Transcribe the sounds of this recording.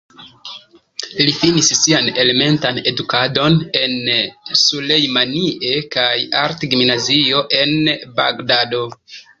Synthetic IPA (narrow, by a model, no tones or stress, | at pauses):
lifinisːiane̞le̞me̞ntane̞dukado̞ne̞nsulejmanie̞kajaɾtɡimnazio̞ʔe̞nba̰ɡdado̞